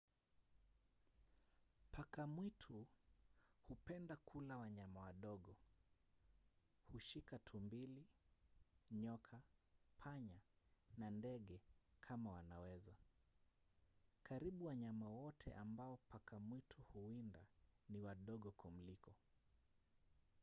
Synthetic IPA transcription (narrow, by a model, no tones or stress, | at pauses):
pʰakamwitʰu | hupɛndakʰulawaɲamawaɗɔɠɔ | huʃikatʰumbili | ɲɔkʰapʰaɲanandɛɠɛkʰamawanawɛza | kaɾiɓuwaɲamawɔtʰɛ̰ʔambaɔpakamwitʰuhuindaniwaɗɔɠɔkʰɔm̩likɔ